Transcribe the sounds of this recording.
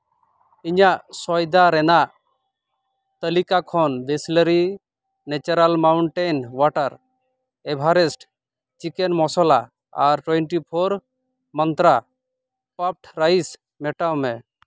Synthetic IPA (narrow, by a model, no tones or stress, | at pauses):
iɲaʔsɔjd̪aɾɛnaʔ | t̪əlikakʰɔnbʱesləɾi | net͡ʃəɾalmawɳʈenwaʈəɾ | ɛbʱaɾɛsʈ | t͡ʃikɛnmɔsɔla | aɾʈweɳʈipʰoɾ | mənt̪ɾa | pap̚ʈɾajis | mɛʈawmɛ